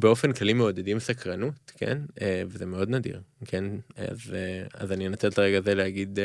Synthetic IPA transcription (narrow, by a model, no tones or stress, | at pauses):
be̞o̞fe̞nklalimeod̪edimsakʁanutkʰḛnevezeme̞o̞d̪nadḭʁkʰena̰zea̰zaninat̪etlaʁeɡazeleaɡid̪